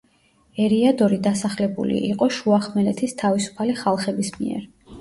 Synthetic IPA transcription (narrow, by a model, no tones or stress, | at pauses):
ɛɾiad̪ɔɾid̪asaχlɛbṵlḭʔiqʼɔʃuaχmɛlɛt̪ʰist̪ʰavisu̥pʰaliχalˠχɛbismḭɛ̰ɾ